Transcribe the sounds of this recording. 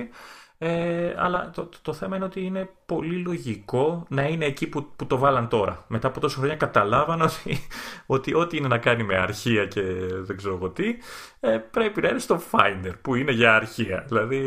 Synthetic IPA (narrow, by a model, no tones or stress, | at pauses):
ieɐ̰lɐt̪ot̪o̞θe̞mɐineot̪iine̞po̞lilo̞ʝiko̞nɐineːcipuput̪o̞vɐlɐnt̪o̞ɾɐ̰me̞t̪ɐːpo̞t̪o̞sɐxɾoɲɐkɐt̪ɐlɐvɐnot̪io̞t̪iʔo̞t̪iine̞nɐkɐnime̞ɐɾçiɐce̞ðeɡzeɾoɣo̞t̪i | epɾe̞pinɐinest̪o̞fɐjnd̪eɾpuine̞ʝɐɐɾçiɐ̰ðilɐði